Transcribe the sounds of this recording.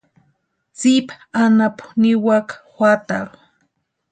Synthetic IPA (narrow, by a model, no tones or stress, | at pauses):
t͡sipa | anapʊ̥niwakḁxʷwʷat̪aɾu